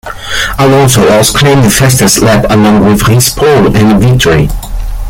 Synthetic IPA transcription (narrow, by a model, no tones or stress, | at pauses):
aɪɔlˠsoʊɔlˠskʰl̥ẽɪ̃mðəfɛstə˞slɛpəlɔ̃ŋwɪðhɪspʰɔlɪ̃nvɪk̚tʰəɹi